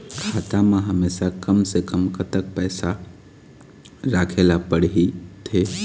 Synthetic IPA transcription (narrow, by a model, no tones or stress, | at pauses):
kʰaːt̪ameɦəmeːsakəmsekəmkət̪ək̚pɛːsa | ɾakʰelapəɽɦit̪ʰe